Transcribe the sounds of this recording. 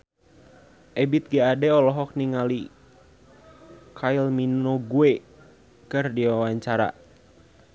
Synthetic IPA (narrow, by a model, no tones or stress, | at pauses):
ʔɛbit̪̚ɡaadɛɔlɔɦɔk̚niŋali | kʰailminoɡuɛ | kɨrdiwawaɲt͡ʃaɾa̰